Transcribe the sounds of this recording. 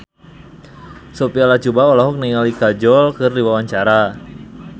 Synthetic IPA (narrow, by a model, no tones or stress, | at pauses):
sopialat͡ʃubaɔlaɦɔk̚niŋalikad͡ʒɔlkɨrdiwawaɲt͡ʃaɾa